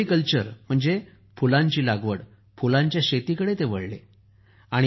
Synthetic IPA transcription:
ikəlt͡ɕəɾm̤əɳd͡ze | fulãɲt͡ɕiːlaɡʋəɽ | fulãɲt͡ɕjaɕet̪ikəɽet̪eʋəɭlḛ | aɽ̃i

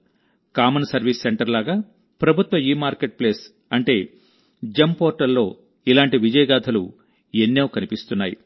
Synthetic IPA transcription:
kaːmɐnsɐɾʋiːsːeɳʈɐɾlaːɡaː | pɾɐbʱut̪ʋɐiːmaːɾkeʈ̚ple̞ːs | ɐɳʈe̞ː | d͡ʒɐmpoːɾʈɐlːo̞ː | ilaːɳʈiʋid͡ʒɐjɐɡaːt̪ʰɐlu | enːeːwkɐnipist̪unːaːji

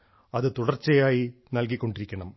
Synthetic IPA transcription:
ɐðɨt̪uɽɐrt͡ɕːɐjaːjinɐlk̬ikʲːo̞ɳɖiɾikʲːɐɳɐm

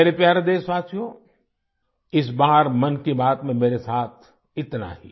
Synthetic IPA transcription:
eːɾepjaːɾd̪eːsʋaːsjõ | ɪs̬baːɾmɐnkibaːt̪mẽmeːɾesaːt̪ʰ | ɪt̪na̰ɦḭː

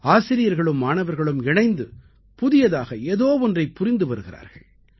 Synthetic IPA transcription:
aːsɪɾɪjɐɾɣɐɭɯmːaːɳɐʋɐɾɣɐɭɯmɪɳɐɪnd̪ɯ | pʊðɪjɐðaːɣɐeːðoːʋɔndrɐɪpːʊɾɪnd̪ɯʋɐɾɯɣɪra̰ːɾɣɐ̰ɭ

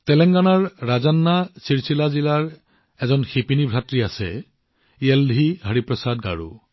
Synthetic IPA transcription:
tɛlɛŋɡanaɹːazanːasiɹsilazilaɹ | ɛzɔnxipinibʱɹatɹiasɛ̰ | iɛldʱiɦaɹipɹɔsadɡa̰ɹṵ

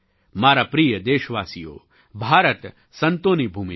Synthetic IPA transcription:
maːɾapɾijəd̪eːʃəʋaːsijo̰ː | bʱaːɾət̪ | sɐnt̪oːnibʱuːmi

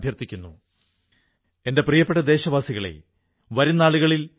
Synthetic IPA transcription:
bʱjɐrt̪ːikʲːunːu | e̞ndeprijɐpːeʈːɐd̪e̞ːɕɐʋaːsiɣɐɭe̞̰ | ʋɐɾunːaːɭuɣɐɭil

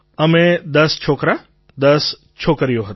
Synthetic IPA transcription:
ɐmẽd̪ɐst͡ʃʰoːkɾa | d̪ɐs | t͡ʃʰoːkəɾijoɦɐ

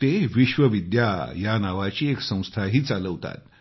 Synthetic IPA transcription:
t̪eʋiɕʋəʋid̪jajanaʋat͡ɕiːeksə̃w̃st̪ʰaɦiːt͡saləʋt̪a̰t̪̚

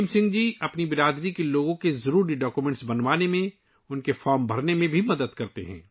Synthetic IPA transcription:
msɪ̃ŋɡd͡ʒiːɐpnibɪɾaːd̪ɾikeloːɡõkezɐɾuːɾiɖaːkumɛ̃ːɳʈsbɐnʋaːnemẽ | ʊnkefɔːɾmbʱɐɾnemẽbʱimɐd̪əd̪kɐɾt̪ḛɦɛ̰̃ː

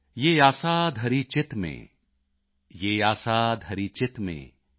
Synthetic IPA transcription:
jeːjaːsaːd̪ʱɐɾit͡ʃɪt̪mḛ̃ː | jeːjaːsad̪ʱɐɾit͡ʃɪt̪mḛ̃ː

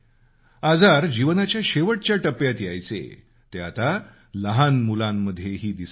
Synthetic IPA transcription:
ad͡zaɾd͡ʑiʋnat͡ɕjaɕeʋəʈ̚t͡ɕjaʈəpjat̪jajt͡sḛ | t̪eat̪a | ləɦanmulamːəd̪ʱːjeɦiːd̪is

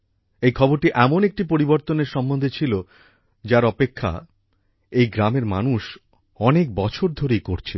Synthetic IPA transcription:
ejkʰɔboɾʈiʔɛmonek̚ʈipoɾiboɾt̪oneɾʃɔmbond̪ʱet͡ɕʰilo | d͡ʑaɾɔpekʰːa̰ | ejɡɾameɾma̰nuʃ | ɔnek̚bɔt͡ɕʰoɾd̪ʱoɾejkoɾt͡ɕʰi

